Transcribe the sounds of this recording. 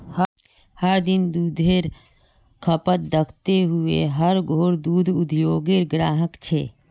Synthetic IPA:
h | həɾd̪ɪnd̪uːd̪ʱeːɾ | kʰəpət̪̚d̪əkʰt̪eɦʊḛɦəɾɡʱoːɾd̪uːd̪ʱʊd̪ʱjoːɡeːɾɡɾaːɦəkt͡ʃʰeː

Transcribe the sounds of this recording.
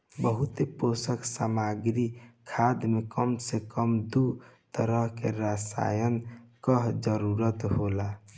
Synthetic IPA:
bəɦut̪eposəksamaɡɾikʰad̪mekəmsekəmd̪ut̪əɾəɦkeɾasa̰jənkəɦd͡ʒəɾuɾət̪ɦola

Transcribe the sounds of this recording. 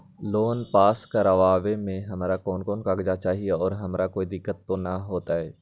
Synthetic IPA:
loːnpaːskaɾɐʋaːʋemẽɦɐmaːɾakɔːnkɔːnkaːɡd͡ʒat͡ʃaːɦieɔːɾɦɐmɾakoːid̪ɪkːət̪ːonɐɦoːt̪aɦɛː

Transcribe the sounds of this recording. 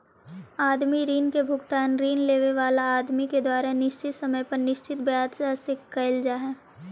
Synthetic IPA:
aːd̪miɾiːnkebʱʊɡt̪aːnɾiːnleːʋeʋaːlaaːd̪miked̪waːɾenɪʃt͡ʃɪt̪sɐməjpɐɾnɪʃt͡ʃɪt̪bjaːt̪asekɐɪld͡ʒaɦɛː

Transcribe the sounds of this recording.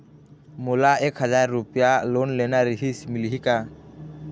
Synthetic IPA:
mulaɛkhad͡ʒaɾːupijalɔnlɛnaɾiɦisimiliɦika

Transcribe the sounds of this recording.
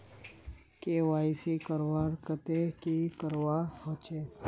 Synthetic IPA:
kewaːisikəɾwaɾkət̪ekikəɾwahot͡ʃe

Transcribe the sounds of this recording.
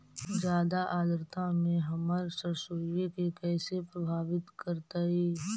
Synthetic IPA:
d͡ʒjaːd̪aʔaːd̪əɾt̪ãmẽɦɐməɾsəɾsoːiekekɛːsepɾəbʱaːʋɪt̪kəɾt̪aɦɛː

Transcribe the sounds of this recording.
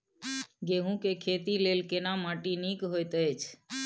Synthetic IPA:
ɡeɦũkekʰet̪ilelkenamãʈinikɦojt̪əjt͡ʃʰ

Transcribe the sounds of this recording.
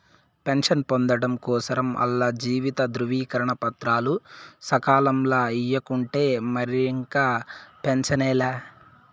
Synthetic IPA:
pe̞nʂɐnpond̪ɐɽɐmkɔːsɐɾɐmɐ̰lːɐd͡ʒiːʋit̪ɐd̪ɾuʋiːkɐɾɐɳɐpɐt̪ɾaːlusɐkaːlɐmlaːijɐkuɳʈe̞ːmɐɾiiŋkaːpe̞nt͡ʃɐnɛːlaː

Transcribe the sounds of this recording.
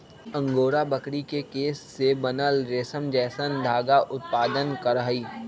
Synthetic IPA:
ə̃ŋɡoːɾabəkɽikekeːsːebɐnəlɾeːsəmd͡ʒɛːsənd̪ʱaːɡaʔʊt̪̚paːd̪ənkəɾəɦiː

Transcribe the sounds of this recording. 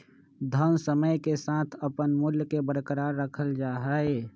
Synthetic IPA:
d̪ʱənsəməjkesaːt̪ʰəpənmʊljkebəɾkəɾaːɾːəkʰəld͡ʒaːɦəe

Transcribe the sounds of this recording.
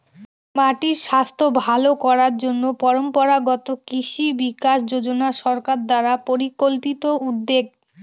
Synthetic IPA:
maʈiɾʃast̪ʰobʱalokɔɾaɾd͡ʑonːopɔɾompɔɾaɡɔt̪okiʃibikaʃd͡ʑod͡ʑonaʃɔɾkaɾd̪aɾapoɾikolpit̪oud̪ːeɡ

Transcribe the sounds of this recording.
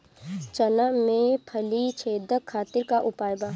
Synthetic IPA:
t͡ʃənamẽpʰəlit͡ʃʰeːd̪ʱəkʰːaːt̪ɪɾkaʔʊpaːjba

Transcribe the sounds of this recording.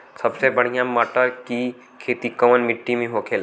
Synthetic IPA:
sɐbsebɐɽ̤ijãməːʈəɾki | kʰeːt̪ikəʋənmɪʈːimẽɦokʰeːl

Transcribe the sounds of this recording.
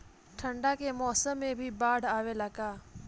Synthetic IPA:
ʈʰɐ̃ɳɖakemɔːsəmːẽbʱibaːɽ̤aːʋelɐkaː

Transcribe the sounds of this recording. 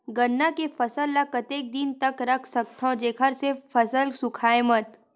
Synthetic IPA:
ɡənːakefʰɐsəlːakət̪eːk̚d̪ɪnt̪ɐkɾɐkʰsɐk̚t̪ʰõd͡ʒeːkʰəɾsefɐsəlsʊkʰaːemət̪

